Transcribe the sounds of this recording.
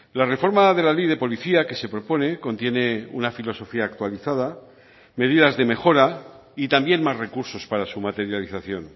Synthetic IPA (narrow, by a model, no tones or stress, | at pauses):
lare̞fo̞ɾmað̞e̞lalejð̞e̞po̞liθiake̞se̞pɾo̞po̞ne̞ko̞nt̪je̞ne̞ṵnafilo̞so̞fiaːkt̪waliθað̞a | me̞ðiðazðe̞me̞xo̞ɾa | it̪ambje̞nmazre̞kuɾso̞spaɾasumat̪e̞ɾjaliθaθjo̞n